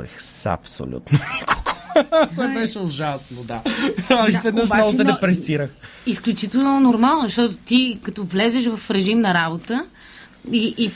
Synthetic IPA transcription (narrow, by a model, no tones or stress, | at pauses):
ɾḭxsɐ̰pso̰lʲṵt̪noniko̥ɡ̥ot̪ɔjbɛʃɛuʒasnod̪aɐisvɛd̪oʃmɔɡosɛd̪ɛpɾɛsiɾəx | isklʲut͡ʃit̪ɛlˠnonoɾmalˠnozɐʃt̪ɔt̪ʊ̥t̪ikɐt̪ɔvlɛzɛʃvɐfɾɛʒimnɐɾabot̪ə | iʔː